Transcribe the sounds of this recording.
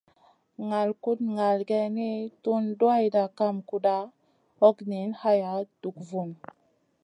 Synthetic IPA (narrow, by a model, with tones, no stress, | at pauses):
ŋa˨lku˦tŋa˨lɡe˦ni˦tu˦ndwa˦jda˨ka˦˨mku˦da˦ | ɔ˦kni˨˦nha˦ja˨˦d̥u˨kvu˨n